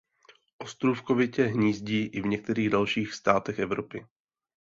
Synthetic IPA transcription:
ʔo̞st̪ɾufkovɪcɛɦɲiːzɟiːʔɪvɲɛk̚t̪ɛɾiːɣdalʃiːxst̪aːt̪ɛxʔɛvɾo̞pɪ

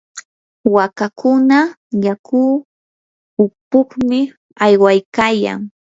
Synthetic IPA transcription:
wakakʊna | jakuː | ʊpʊχmɪ | ajwajkaja̰ŋ

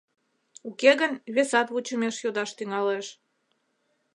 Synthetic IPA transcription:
ukeɣənβesɑt̪βut͡ɕəmeʃjod̪ɑʃt̪yŋɑleʃ

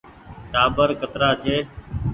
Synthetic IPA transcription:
ʈaːbəɾkət̪ɾaːt͡ʃʰeː

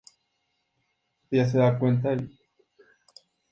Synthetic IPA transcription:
ejas̬eðakwent̪̬ael

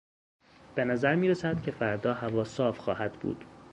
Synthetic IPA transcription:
b̥e̞næzæɾmiːɾesæd̪̥cʲʰe̞fæɾd̪ɒːhævɒːsɒːfxɒːhæd̪bṵːd̪̥

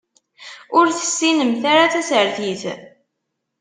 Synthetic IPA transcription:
ʊɾθə̥sːinəmθaɾaθæsəɾθiθ

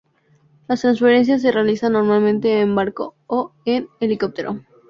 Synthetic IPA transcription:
last̪ɾansfeɾe̞ns̬jas̬e̞realisanːo̞ɾmalmẽnt̪e̞ːmbaɾko̰oeneliko̞p̚t̪eɾʔo̰

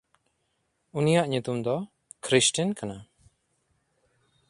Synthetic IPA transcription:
unijaʔɲut̪umd̪ɔ | kʰɾisʈinkana

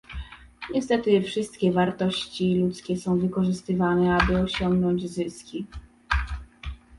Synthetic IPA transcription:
ɲɛst̪ɛt̪ɘfʂɘst̪kʲɛvaɾt̪ɔɕt͡ɕilut̪skʲɛsɔ̃w̃vɘkɔʐɘst̪ɘvanɛabɘɔɕɔŋɡnɔɲd͡ʑzɘskʲi

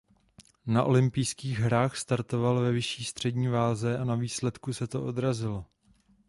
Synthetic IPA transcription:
naʔo̞lɪmpɪjskiːɣɦɾaːxst̪aɾt̪o̞valvɛvɪʃiːst̪r̝̥ɛdɲiːvaːzɛʔanaviːslɛt̪kusɛt̪o̞ʔo̞d̪ɾazɪlo

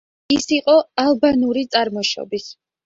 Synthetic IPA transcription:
isiqʼɔalˠbanuɾit̪sʼaɾmɔʃɔ̰bis

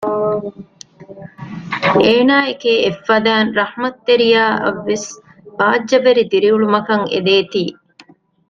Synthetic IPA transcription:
ʔeːnaːekeefːɐd̪æːnɾɐhmɐt̪ːeɾijaːʔɐ̰ʋːes | b̥aːd͡ʒːɐbeɾid̪iɾiuɭumɐkɐŋḛd̪eːt̪iː

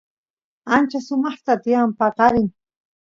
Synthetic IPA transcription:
ant͡ʃasʊmɑχt̪at̪ɪjampɑqɑɾɪŋ

